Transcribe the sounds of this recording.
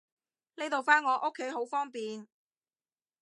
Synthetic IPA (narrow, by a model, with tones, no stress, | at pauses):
le˥t̪o˨wfaː˥nŋɔː˨˧ʔo˥kʰːe˨˥jɦo˨˥wfɔː˥ŋpiː˨n